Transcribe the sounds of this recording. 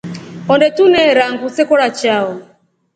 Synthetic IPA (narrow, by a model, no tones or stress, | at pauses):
ɔndɛtunɛɾaŋɡusɛkɔɾat͡ʃaɔ